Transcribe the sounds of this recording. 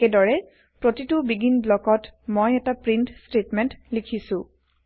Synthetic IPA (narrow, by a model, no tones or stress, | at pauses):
ɛdɔɹɛ | pɹotitʊbiɡinblɔkɔtmojɛtapɹintstetmɛntlikʰisʊ̃